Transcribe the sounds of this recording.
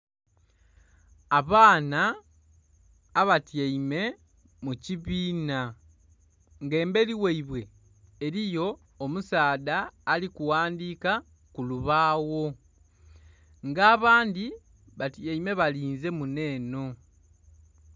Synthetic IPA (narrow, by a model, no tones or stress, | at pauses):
aβaːna | βatjeime̞ | muciβiːna | ŋɡe̞ːmbe̞liweiβwe̞ː | ɾijo̞ː | musaːðaːlikuwaːndiːka | kuluβaːwo̞ | ŋɡaːβaːndi | βatjeime̞βaliːnze̞mune̞ːno̞